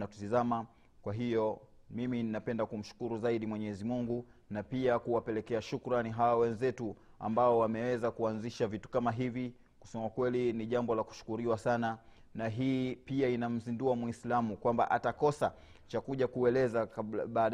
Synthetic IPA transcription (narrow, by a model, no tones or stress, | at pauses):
atutizama | kwaɦijɔmimininapɛndakum̩ʃu̥kuɾuzaiɗimwɛɲɛzimuŋɡunapiakuwapɛlɛkɛaʃukɾaniɦawawɛnzɛtu | a̰mbaɔwamɛwɛzakuanziʃavitu̥kamaɦivi | ku̥sɛmakwɛliniʄambɔlaku̥ʃu̥kuɾiwasana | naɦiːpiainam̩zinduamwislamukwamba̰ʔatakɔsa | t͡ʃakuʄakuɛlɛzaɓaːɗ